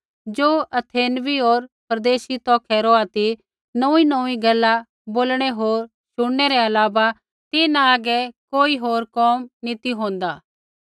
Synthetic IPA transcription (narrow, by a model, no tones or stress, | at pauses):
d͡ʒoːʔɐt̪ʰeːnʋiɦoːɾpɐɾd̪eːʃit̪ɔːkʰɛɾoːat̪i | nɐ̃inə̃ĩɡɐlːa | boːlɽ̃ɛɦoːɾ | ʃʊɽːɛɾɛɐlaːba | t̪ɪːnaaɡɛkoːiɦoːɾkɔːmnɪt̪iɦõːnd̪aː